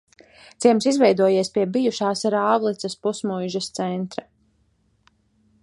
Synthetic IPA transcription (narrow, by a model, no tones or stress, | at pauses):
t̪iɛmsizvɛjd̪uɔjeɛsʲpiɛbijuʃaːsaɾaːvlˠit̪sɐspusmujʒɐst̪sɛnt̪ɾa